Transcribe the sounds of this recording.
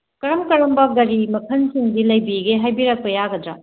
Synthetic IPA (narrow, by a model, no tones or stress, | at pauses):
kɐɾɐmkɐɾɐmbɐɡɐɾimɐkʰɐnsiŋdilɐjbiɡeɦajbiɾɐk̚pɐjaɡɐdɾa